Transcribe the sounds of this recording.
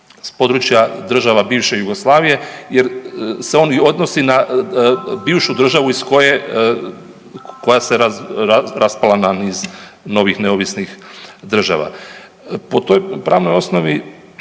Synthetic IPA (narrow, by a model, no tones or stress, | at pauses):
spo̞d̪ɾut͡ʃjad̪r̩ʒaʋabiːʋʃe̞juɡo̞slˠaːʋije̞jeɾse̞o̞ːnio̞d̪no̞sina | biːʋʃud̪r̩ʒaʋuisko̞je | kojaseaɾaspalananiːz | no̞ʋixneoʋisnixd̪r̩ʒa̰ʋa̰ | po̞t̪o̞jpɾaːʋno̞jo̞sno̞ʋi